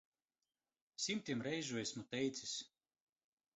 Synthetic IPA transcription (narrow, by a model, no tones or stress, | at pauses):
sʲimʲt̪ʲimɾɛjʒuɔjsʲmut̪ʲɛjt̪sʲisʲ